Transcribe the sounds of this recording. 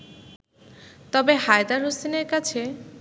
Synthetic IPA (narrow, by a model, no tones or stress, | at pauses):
t̪ɔbeɦajd̪aɾɦoseneɾkat͡ɕʰe